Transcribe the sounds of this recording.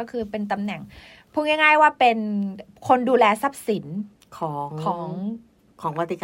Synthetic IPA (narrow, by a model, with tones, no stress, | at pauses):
ɔː˥˩kʰɯː˧pe˧nt̪a˧mnɛ˨˩ŋ | pʰu˧˥˩ŋɛ˥˩ŋaː˥˩jwaː˥˩pe˧nkʰo˧nduː˧lɛː˧sa˦˥˩p̚si˩˦n | kʰɔː˩˦ŋkʰɔː˩˦ŋŋ | kʰɔː˩˦ŋpa˧t̪ʰːi˧˩k